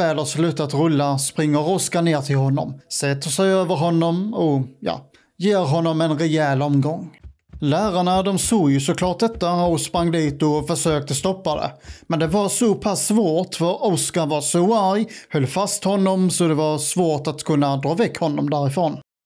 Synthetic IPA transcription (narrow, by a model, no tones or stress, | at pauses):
ɛːlaslʉ̟ːt̪at̪ɾɵlːaspɾɪŋːəɾɔskaneːɾt̪ʰɪlhɔnːɔ̰msɛt̪ːəʂɛjøːvəɾɦɔnːɔmɔjɑ̰ː | jeːɾɦɔnːɔmɛnɾɛjɛːlɔmɡɔŋː | læːɾaɳad̪ɔmsoːɡjɵsɔklɑːʈ̚d̪ɛt̪ːaɔspɾaŋːd̪iːt̪ɔfœʂøːk̚t̪əst̪ɔpːad̪ɛ̰mɛnd̪ɛvaɾsɔpʰasːvoːʈfœɾɔskavɑsɔaɾjhœlːfast̪hɔnːɔmsɔd̪ɛvaɾsvoːʈat̪kʰɵnːad̪ɾɑːvɛkhɔnːɔmd̪æɾɪfɾoːn